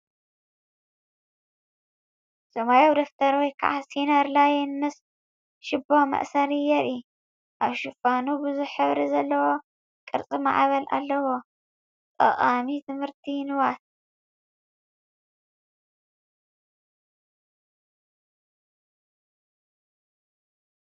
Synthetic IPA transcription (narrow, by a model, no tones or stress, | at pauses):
sɨmajowd̪oft̪ʰɐɾwɔjkʰa̰ʕasinɐɾlajɛnmɨs | ʃɪbomɐ̰ʔsɐɾijɛɾi | ʔaβʃɨfanubɨzuħɨβɾizɐlːɐwo̞ | kʼɨɾt͡sʼima̰ʕβɐlʔa̰lːɐwo | t̪ʼɐ̰χʼamit̪ʰɨmhɨɾt̪ʰinɨwat̪̚